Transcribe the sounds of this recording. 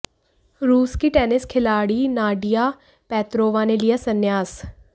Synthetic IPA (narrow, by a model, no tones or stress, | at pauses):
ɾuːskiːʈɛːnɪskʰɪlaːɽiːnaːɖijaː | pɛːt̪ɾoːʋãːneːlɪjaːsənːjaːs